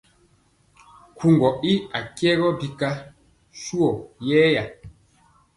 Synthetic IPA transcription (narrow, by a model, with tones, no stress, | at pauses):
ku˨ŋɡɔ˨i˦a˨kjɛ˦ɣɔ˦bi˨ka˦ | ʃu˦ɔ˨jɛː˦ja˨